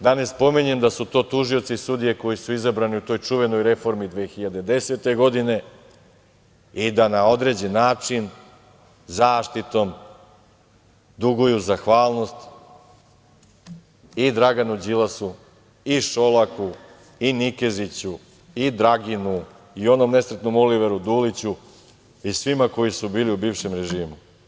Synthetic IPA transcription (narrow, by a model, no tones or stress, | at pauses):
d̪ane̞spo̞miɲe̞md̪asut̪o̞ːt̪uʒio̞t̪sisud̪ije̞ko̞jisuizabɾaniut̪o̞ːjt͡ʂuʋe̞no̞jɾe̞fo̞ɾmid̪ʋeːxiʎad̪ed̪e̞se̞t̪e̞ɡo̞d̪ine̞ | id̪anao̞d̪ɾe̞d͡ʑenːaːt͡ʂin | zaːʃt̪it̪o̞m | d̪uɡujuzaxʋaːlˠno̞st̪ | id̪ɾaɡanud͡ʑilasu | iʃo̞laku | inikezit͡ɕu | id̪ɾaɡinu | io̞no̞mne̞sɾet̪no̞moliʋe̞ɾud̪uːlit͡ɕu | isʋimako̞jisubiːliubiːvʃe̞mɾe̞ʒiːmu